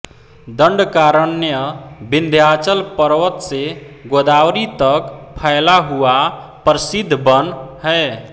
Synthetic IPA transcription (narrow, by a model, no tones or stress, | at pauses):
d̪əɳɖkaɾənːjəbind̪ʱjat͡ʃəlpəɾwət̪seɡod̪awɾit̪əkpʰəɪlaɦua | pɾəsid̪ʱːbənɦə